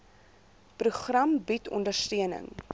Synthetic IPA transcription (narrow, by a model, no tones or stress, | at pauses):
pruχrɐmbitʰɔ̰ndərstøənə̰ŋ